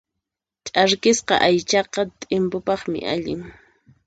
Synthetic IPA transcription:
t͡ʃʼaɾkɪsqɑ̰ʔajt͡ʃɑqɑt̪ʼɪmpʊpɑχmɪ̰ʔaʎɪ̰ŋ

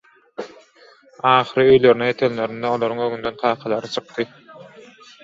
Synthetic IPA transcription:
ɑːχɯɾɯø̞jløɾyneet̪ʰenle̞ɾind̪eo̞lˠoɾuŋøŋynd̪ø̞nqʰɑːqʰɑlˠɑɾɯt͡ʃʰɯ̥q̚t̪ɯ

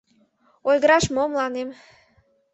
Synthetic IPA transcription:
olʲɡəɾɑʃmomlɑnem

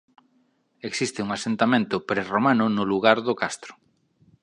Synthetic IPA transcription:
eksist̪ɪuŋasent̪amẽnt̪ʊpɾeromanʊnʊluɣaɾðʊkast̪ɾʊ̥

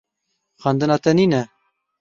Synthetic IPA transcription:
xɑnd̪ɨnɑːt̪ɛniːnɛ

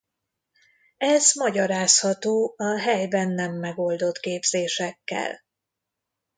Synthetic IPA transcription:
ɛzmɒɟɒɾaːshɒt̪oːɒɦɛjbɛnːɛmːɛɡo̞ld̪o̞t̪keːbz̥eːʃɛkːɛ̰l

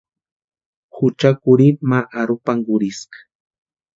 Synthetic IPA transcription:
hʊt͡ʃakʊɾimaʔaɾʊpaŋɢʊɾɪskḁ

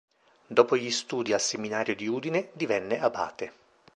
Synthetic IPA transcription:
d̪ɔːpoʎist̪uːd̪ialseminaːɾjod̪iuːd̪ined̪ivɛnːeaba̰ːt̪e

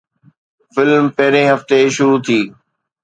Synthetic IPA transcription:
fɪlmpɐɦɪɾẽɦɐft̪eʃʊɾut̪ʰiː

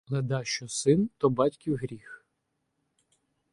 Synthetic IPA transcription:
lˠɛd̪ɑʃt͡ʃɔsɪnt̪ɔbɑtʲkʲiwɦɾʲix

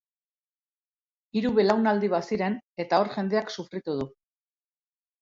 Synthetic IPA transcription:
iɾuβe̞lawnald̪iβ̞asiɾe̞ne̞t̪ao̞ɾʝe̞nd̪e̞aksufɾit̪uð̞u

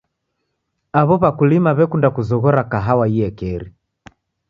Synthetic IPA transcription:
aβɔβakulimaβɛkundakuzɔɣɔɾakaɦawaiɛkɛɾi

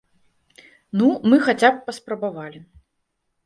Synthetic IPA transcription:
numɨxat͡sʲap̚ːɐspɾɐbavalʲi

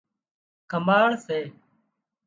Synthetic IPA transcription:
kəmaːɭseː

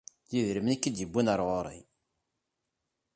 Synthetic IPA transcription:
jiðɾəmnikːid̪jəbːunəɾˤʁoɾˤḭ

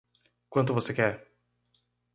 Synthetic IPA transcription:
kwɐ̃nt̪ʊvosekɛɾ

